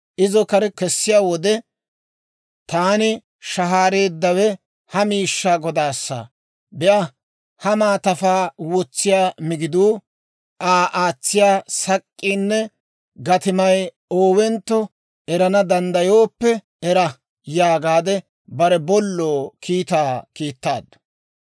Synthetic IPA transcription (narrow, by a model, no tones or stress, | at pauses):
ʔɪzɔkɐɾɛkɛsːɪjaːwɔd̪ɛ | t̪aːnɪ | ʃɐɦaːɾe̞ːd̪ːɐwɛ | hɐmiːʃːaːɡɔd̪aːsːa̰ | bɛʔɐ | hɐmaːt̪ɐfaːwɔt͡sːɪjaːmɪɡɪd̪uː | ʔaːʔaːt͡sːɪjaːsɐkʼːiːnːɛ | ɡɐt̪ɪmɐj | oːwɛnt̪ːɔ | ɛɾɐnɐd̪ɐnd̪ɐjoːpːɛ | ɛɾɐ | jaːɡaːd̪ɛ | bɐɾɛbɔlːoːkʰiːt̪aːkiːt̪ːaːd̪ːʊ̥